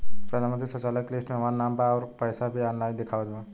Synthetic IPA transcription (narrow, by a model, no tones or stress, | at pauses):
pɾɐd̪ʱanmə̃nt̪ɾisə̃t͡ʃaːləkleːsʈmẽɐmaːɾnːãːmbaɔːɾpɛːsabʱiaːnlaːjnd̪ɪkʰaːʋəd̪ãː